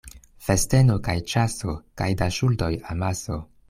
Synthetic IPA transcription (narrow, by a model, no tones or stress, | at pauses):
feste̞no̞kajt͡ʃaso̞kajdaʃuldo̞jamaso̞̰